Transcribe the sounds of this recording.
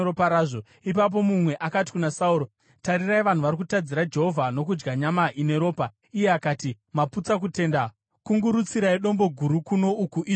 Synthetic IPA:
opaɾaːʐo̞ | ipap̬o̞mumwe̞ʔakat̬i̥kunasauɾo̞ | tariraiʋan̤uʋaɾikutad͡ziɾad͡ʒe̞ɦo̞vʱano̞kud͡ʒɡaɲamaʔine̞ɾo̞ːpa | ije̞akaːti | maput͡sak̬ute̞ːnda | kuŋɡuɾut͡siɾaiɗo̞mbo̞ɡʱuɾukuno̞ukuʔi

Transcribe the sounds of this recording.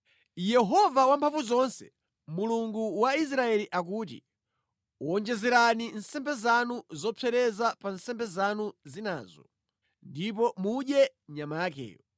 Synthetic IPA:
jɛɦɔvawampʰaɱvuzɔnsɛ̥̰ | muluŋɡuwais̬ɾaɛliʔak̬uːtḭ | uɔnd͡ʒɛzɛɾaninsɛmbɛzanuzɔpʰɛɾɛzapansɛmbɛzanuzina̰ːzɔ̰ | ndip̬ɔmuɗjɛɲamaakɛ̰ːjɔ

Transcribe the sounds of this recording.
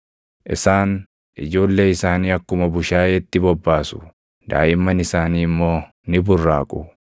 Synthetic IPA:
ʔɪ̰saːn | ʔɪd͡ʒo̞ːlːe̞ːɪsaːniːɐkːʊmɐbʊʃaːʔeːt̪ːɪbɔbːaːsʊ̥ | d̪̥a̰ːʔɪmːɐnɪsaːniːɪmːo̞ː | nɪbʊrːaːkʼʊ

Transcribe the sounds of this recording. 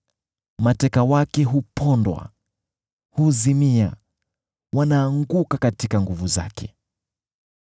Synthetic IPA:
matɛkawakɛɦupʰɔndwa̰ | huzimia̰ | wanaːŋɡukakatikaŋɡuvuza̰kʰɛ

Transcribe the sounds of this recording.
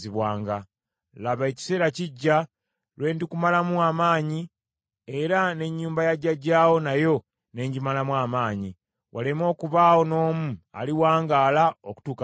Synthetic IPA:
iβwaːŋɡa | laβae̞ci̥se̞ːɾaciɟːa | lwe̞ːndikumalamuamaːɲi | e̞ɾane̞ɲːuːmbajaɟːaɟaːwo̞najo̞ | ne̞ɲɟimalamwaːmaːɲi | wʔale̞mo̞ːkuβaːwo̞no̞ːmua̰liwaːŋɡaːlaoku̥tuːka

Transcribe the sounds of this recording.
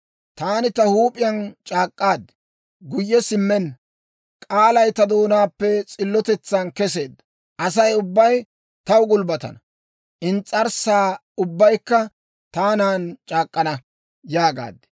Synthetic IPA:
t̪aːnɪt̪ɐhuːpʼɪjɐnt͡ʃʼaːkʼːaːd̪ːɪ̥ | ɡʊjːɛsɪmːɛn | kʼaːlɐjt̪ɐd̪o̞ːnaːpːɛt͡sʼɪlːɔt̪ɛt͡sːaːnkɛse̞ːd̪ːɐ | ʔɐs̬ɐjʊbːɐj | t̪ɐwɡʊlbɐt̪ɐ̰nɐ | ʔɪnt͡sʼːɐɾsaː | ʊbːɐjkːɐ | t̪aːnaːnt͡ʃʼaːkʼːɐnɐ | jaːɡa̰ːd̪ɛ̥

